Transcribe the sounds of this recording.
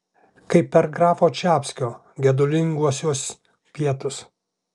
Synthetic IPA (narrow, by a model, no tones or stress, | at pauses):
kɐɪpːʲɛɾɡɾɑːfoːt͡ʃʲæːpʲsʲkʲoː | ɡʲɛd̪ʊlʲɪŋɡuɔsʲuɔs | pʲiɛt̪ʊs